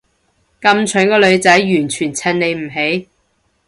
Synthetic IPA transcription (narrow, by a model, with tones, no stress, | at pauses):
kɐ˧mt͡ʃʰɵ˨˥nkɔː˧lɵ˨˧ɥt͡sɐ˨˥jːyː˨˩nt͡ʃʰyː˨˩nt͡sʰɐ˧nne˨˧jm̩˨˩ɦe˨˥j